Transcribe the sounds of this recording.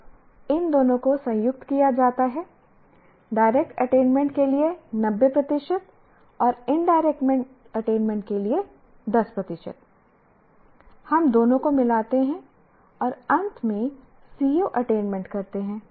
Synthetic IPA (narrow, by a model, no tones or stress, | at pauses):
ɪnd̪oːnõkosɐ̃jjʊk̚t̪kijad͡ʒaːt̪aɦɛː | ɖaːɪɾeːk̚ʈɐʈẽːnmɛ̃ɳʈkelienɐbːepɾɐt̪ɪʃət̪ | ɔːɾɪnɖaːɪɾeːk̚ʈmɛ̃ɳʈ | ɐʈẽːnmɛ̃ɳʈ̚kelie | d̪ɐspɾɐt̪ɪʃə̰t̪̚ | hɐmd̪oːnõkomɪlaːt̪eɦɛ̃ | ɔːɾɐ̃nt̪ʰmẽ | siːjoʔɐʈeːnmɛ̃ɳʈkɐɾt̪eɦɛ̃ː